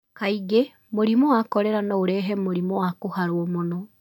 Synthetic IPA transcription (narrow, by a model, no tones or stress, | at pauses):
kaiɡe | moɾimɔwakɔɾɛɾanaoɾɛɦɛmoɾimɔwakohaɾwɔmonɔ